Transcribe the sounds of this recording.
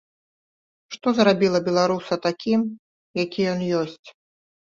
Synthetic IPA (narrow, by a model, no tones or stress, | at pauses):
ʂt̪ɔzɾabʲilˠɐbʲɛlˠaɾusɐt̪akʲim | jakʲijɔnjɔsʲt͡sʲ